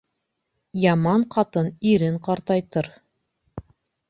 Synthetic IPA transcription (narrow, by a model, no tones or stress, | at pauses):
jɑmɑɴqɑt̪ɤniɾɘɴqɑɾt̪ɑjt̪ɤɾ